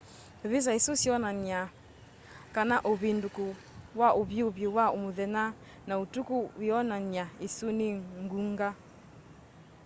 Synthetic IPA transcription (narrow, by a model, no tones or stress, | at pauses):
βis̬aesosiɔnania | kanaʔoβinduko | waʔoβjoβjowaomoðɛna | naotukuwiɔnanjaesoneŋɡuŋɡa